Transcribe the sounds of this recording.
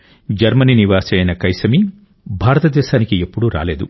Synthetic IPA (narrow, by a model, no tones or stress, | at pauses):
d͡ʒɐɾmɐniniʋaːsɐjnɐkɐjsɐmi | bʱaːɾɐt̪ɐd̪ɛːʃaːnikie̞pːuɽuɾa̰ːle̞ːd̪u